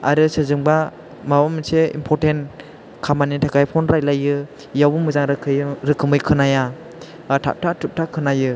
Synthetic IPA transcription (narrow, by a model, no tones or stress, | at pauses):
aɾɯsɯzɯŋba | mawamiseḭmpʰɔɾtent | kʰamanitʰakʰajpʰɔnɾajlajɯ | jawumɯzaŋɾʰjɾɯkʰɯmɯjkʰɯnaja | tʰa̰p̚tʰatʰup̚tʰakʰɯnajɯ